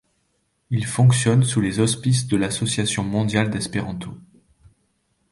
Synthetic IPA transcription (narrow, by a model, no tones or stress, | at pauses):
ilfɔ̃ksjɔnsulezɔspis̬d̪əlasɔsjasjɔ̃mɔ̃d̪jald̪ɛspeʁɑ̃t̪o